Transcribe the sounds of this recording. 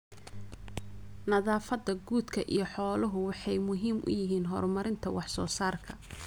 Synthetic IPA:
nɐðaːfɐd̪ːɐɡuːd̪kʰɐʔijɞħɔːlʊɦʊwɑħɑjmʊɦiːmʔʊ̰jɪɦiːnɦɔ̰ːrmɐɾɪnt̪ʰɐwɑħsɔ̰ːsaːrkʰɐ

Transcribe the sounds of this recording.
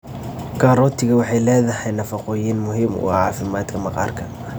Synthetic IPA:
kʰaːɾɔːt̪ʰɪɣɐwɑħɑjlɛːðɐɦɛjnɐfɑqɔːjɪnmʊɦiːmʊ̰ʕɑːfɪmaːd̪kʰɐmɐqɑ̰ːrkʰɐ

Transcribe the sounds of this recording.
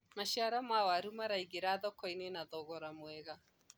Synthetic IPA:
maʃiaɾamawaɾumaɾaiɣeɾaðɔkɔinenaðɔɣɔɾamwɛɣa

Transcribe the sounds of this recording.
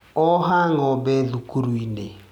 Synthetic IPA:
ɔɦaŋɔbɛðukuɾuine

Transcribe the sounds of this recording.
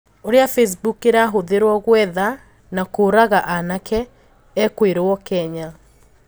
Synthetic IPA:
oɾeafes̬bukeɾaɦoðeɾwɔɣwɛða | nakoɾaɣaʔanakʰɛː | kweɾoɔkɛɲa

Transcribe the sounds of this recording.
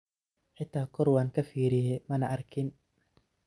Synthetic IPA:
ħɪt̪ʰːaːkʰɔrwaːŋkʰɐfiːɾɪjɛmɐnɐʔɐrkʰɪn

